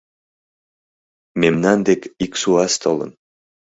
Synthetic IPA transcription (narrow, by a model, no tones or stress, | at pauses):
memnand̪ekiksuast̪ʰolˠɤ̰̆n